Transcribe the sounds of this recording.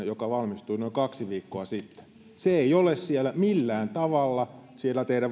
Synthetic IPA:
jokɑʋɑlmist̪uinoiŋkɑksiʋiːkːoɑsit̪ːe̥ | seeiolessielːæmilːæːnt̪ɑʋɑlːɑsielːæt̪ehdæʋ

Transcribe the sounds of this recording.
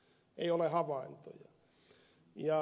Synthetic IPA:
eiolehɑʋɑint̪o̰jɑ̰ | jɑ

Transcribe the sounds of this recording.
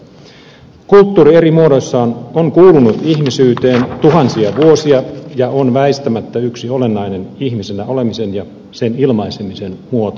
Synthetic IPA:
kult̪ːuːɾie̞ɾimuoɾo̞sːɑːnoŋkuːlunut̪içmisyːt̪e̞ːnt̪uɦɑnsiɑʋuo̞siɑjɑonʋæist̪æmæt̪ːæyksio̞le̞nːɑjne̞niçmise̞næo̞le̞mise̞njɑ | se̞nilmɑjsemise̞nmuo̞t̪o

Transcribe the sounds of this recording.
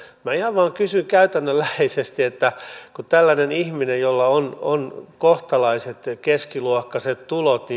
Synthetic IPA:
mæihɑʋʋɑːŋkysyŋkæyt̪ænːølːæheisest̪iet̪ːækut̪ælːænenihminejjolːɑononkoht̪ɑlɑiset̪keskiluokːɑset̪t̪ulot̪ni

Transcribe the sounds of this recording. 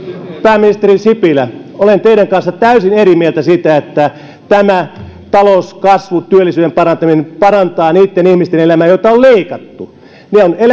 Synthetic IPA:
pæːmːinist̪erisipilæolent̪eiɾæŋkɑnsːɑt̪æysinerimielt̪æsit̪æet̪ːæ | t̪æmæ | t̪ɑlouskɑsʋut̪yølːisyːɾempɑrɑnt̪ɑminepɑrɑnt̪ɑːniːt̪ːenihmist̪enelæmæːjot̪ɑolleikɑt̪ːu | neonel

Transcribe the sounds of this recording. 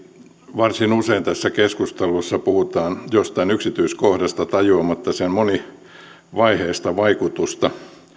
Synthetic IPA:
ʋɑrsinuseint̪æsːækeskust̪elusːɑpuhut̪ɑːnjost̪ɑinyksit̪yiskohdɑst̪ɑt̪ɑjuɑmɑt̪ːɑsenmoni | ʋɑiheːst̪ɑʋɑikut̪ust̪ɑ

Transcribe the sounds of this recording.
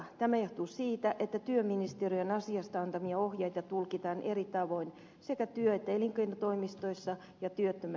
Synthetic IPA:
t̪æmæoht̪uːsiːt̪æʔet̪ːæt̪yømːinist̪eriønɑsiɑst̪ɑɑnt̪ɑmiɑohjɑit̪ɑt̪ulkit̪ɑːnʔerit̪ɑʋo̞in | sekæt̪yøet̪ːæeliŋkeinɑt̪oimist̪oisːɑ | jɑt̪yøt̪ːømæ

